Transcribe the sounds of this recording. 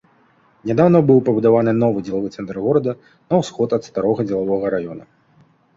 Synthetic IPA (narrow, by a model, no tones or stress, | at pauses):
nʲad̪awnɐbɨwpɐbud̪avanɨnɔvɨd͡zʲɛlˠavɨt̪sɛnt̪rɣɔɾɐd̪ɐ | nɐwsxɔt̪ɐt̪st̪aɾɔɣɐd͡zʲɛlˠavɔɣɐɾajɔnɐ